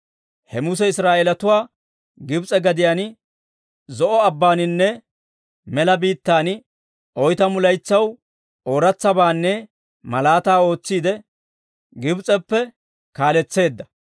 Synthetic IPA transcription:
hɛmʊs̬ɛɪsɾaːʔeːlɐt̪ʊwaː | ɡɪbt͡sʼɛɡɐd̪ɪjaːn | zɔʔɔɐbːaːnɪnːɛ | mɛlɐbiːt̪ːaːn | ʔɔjt̪ɐmʊlɐjt͡sːɐw | oːɾɐt͡sːɐbaːnːɛ | mɐlaːt̪aːo̞ːt͡sːiːd̪ɛ | ɡɪbt͡sʼɛpːɛ | kaːlɛt͡sːe̞ːd̪ːɐ

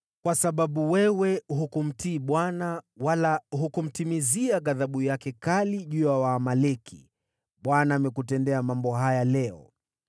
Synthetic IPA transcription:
kwasaɓaɓuwɛwɛɦukum̩tiːɓwanawalaɦukum̩timiziaɠaðaɓujakɛkaliʄujawaːmalɛkʰḭ | ɓwanaːmɛkutɛndɛamambɔɦajalɛɔ̰

